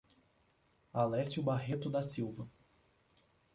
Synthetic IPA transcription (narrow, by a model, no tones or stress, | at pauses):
alɛsjʊbaɦet̪ʊd̪ɐsiwvɐ